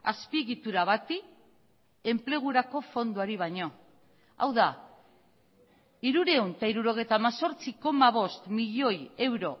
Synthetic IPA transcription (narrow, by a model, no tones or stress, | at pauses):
a̰spieɣit̪uɾaβat̪i | e̞mple̞ɣ̞uɾako̞fo̞nd̪uaɾiβ̞ajɲo̞ | a̰wða | iɾuɾe̞unt̪aiɾuɾo̞ɣ̞e̞jt̪aːmaso̞ɾt͡siko̞maβ̞o̞st̪miʎo̞je̞wɾo̞